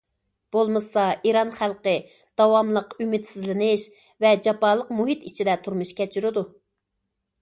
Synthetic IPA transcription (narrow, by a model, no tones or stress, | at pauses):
b̥olˠmɨsɑʔiɾɑnχælˠqə | d̪̥ɑwɑmlˠəqymɪt̪sɪzlɪnɪʃ | vɛd͡ʒɑpɑːlˠəqmuɦit̪it͡ʃʰid̪ɛt̪ʰuɾmuʃkʲʰɛt͡ʃʰyɾɪd̪u